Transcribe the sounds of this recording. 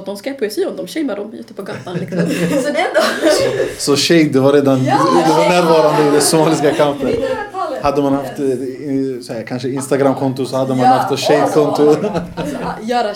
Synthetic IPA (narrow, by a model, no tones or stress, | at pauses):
t̪̚d̪ɔmskɛpʰɛsiɔmd̪ɔmɕɛɪmaɾɔmʉːt̪ːəpʰɔɡat̪ːank | sɔsɔʃɛɪd̪ɛvaɾeːd̪and̪ɛvaɾnæːɾvɑːɾand̪əɪd̪ɛsʊmɑːlɪskakʰaʊnt̪ənhad̪ːəmanhaft̪ | sɛkʰanʂəɪnst̪aɡɾamkʰɔnt̪ʊsɔhad̪ːəmanhaft̪ʃɛjd̪kʰɔnt̪ʊ | jœːɾa